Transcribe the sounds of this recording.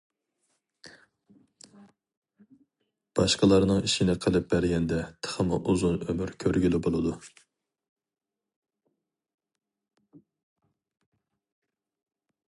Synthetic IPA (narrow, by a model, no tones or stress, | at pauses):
b̥ɑʃqəlˠɑɾnɨŋiʃinɪqʰəlˠɨp̚bæɾɡʲɛnd̪ɛt̪ʰə̥χəmɨʔuzunømyɾkʲʰøɾɡʲylɪbolˠɨd̪u